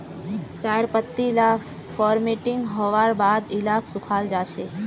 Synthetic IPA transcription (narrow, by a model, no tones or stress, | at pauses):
t͡ʃajɾpət̪ːila | fɔɾmeʈɪŋɡɦɔʋaɾbad̪ɪlakʰsʊkʰald͡ʒat͡ʃʰe